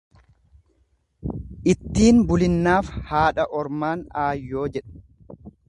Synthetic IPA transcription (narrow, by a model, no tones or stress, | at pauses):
ʔɪt̪ːiːnbʊlɪnːaːfhaːᶑɐʔɔɾmaːnaːjːo̞ːd͡ʒɛᶑɐ̥